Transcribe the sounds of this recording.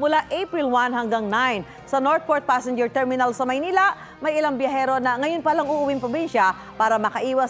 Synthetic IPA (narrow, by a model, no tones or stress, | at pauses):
mʊlaʔejpɹɪlwanɦɐŋɡaŋnajn | sɐnoɹt̪̚poɹt̪̚pasɛnd͡ʒɛɹt̪ɛɹmɪnalsɐmɐjniːla | mɐjɪlaŋbjɐɦɛːɾo̞nɐŋɐjonpɐlaŋʊʔʊwɪŋpɾobinʃɐ | paːɾɐmɐkɐʔiːwɐs